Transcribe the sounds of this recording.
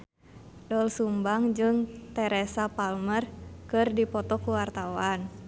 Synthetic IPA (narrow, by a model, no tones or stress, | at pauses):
dɔlsumbaŋd͡ʒɨŋt̪ɛɾɛsapalmərkɨrdipɔt̪ɔkuwart̪awan